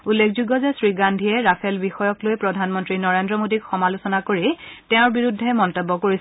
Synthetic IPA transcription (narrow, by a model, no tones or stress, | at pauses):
ulːekʰzuɡɔzɛsɹiɡandʱiɛɹapʰɛlbixɔjɔklojpɹɔdʱanmɔntɹinɔɹendɹɔmodikxɔmalusɔnakoɹitɛʊ̃ɹbiɹudʱːɛmɔntɔbːɔkoɹis